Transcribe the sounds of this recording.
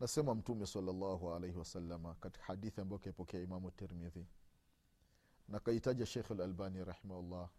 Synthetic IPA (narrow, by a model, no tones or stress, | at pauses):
nasɛmam̩tumɛsɑlːalːɑɦualejhiwasalːamakati̥kḁhaɗiθiambajɔkaipɔkɛaimamuatːɛɾmiði | nakahitaʄaʃɛxalalbaniɾɑħimahulːɑ